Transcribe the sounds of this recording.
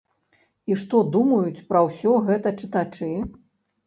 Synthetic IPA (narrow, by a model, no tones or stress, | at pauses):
iʂt̪ɔd̪umɐjut͡sʲpɾɐwsʲɔɣɛt̪ɐt͡ʂɨt̪at͡ʂɨ